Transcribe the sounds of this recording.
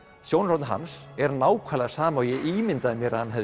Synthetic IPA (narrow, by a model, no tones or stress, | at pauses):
sjoːwnrawt̪nɦa̰nsɛɾnaːwkʰaːlasaːmœːjɪʔimɪnt̪aðɪmjɛɾhanɦɛv